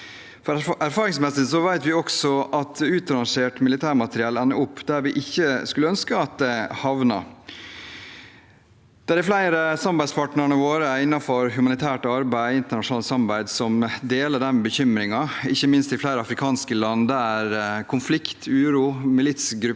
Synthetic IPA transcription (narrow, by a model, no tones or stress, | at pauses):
fɔɾæɾfɑːɾɪŋsmɛsɪsɔʋæɪt̪ʋɪɔksɔʔɑt̪ʰʉːt̪ɑɾɑnʂeːʈmɪlɪt̪ʰæːɾmɑt̪əɾɪɑːlɛnːəʔʊpːd̪æɾʋɪʔɪçːəskʉləœnskəɑt̪̚d̪ɛhɑʋnɑ̰ | d̪̥æɖ̪ɛflæɪɾəsɑmbæɪspʰɑːʈnəɾɳəʋoːɾəɪnːɑfɔɾɦʉmɑnɪt̪ʰæːʈɑɾbæɪɪnt̪əɳɑʂʊnɑːlt̪sɑmɑbæɪd̪sɔmd̪eːləɖɛnbəçʏmɾɪŋɑɪçːəmɪnst̪ɪflæɪɾəɑfɾɪkʰɑːnskəlɑnːd̪ææɾkʰʊnflɪkt̪ʰʉːɾuːmɪlɪt̪sɡɾʉ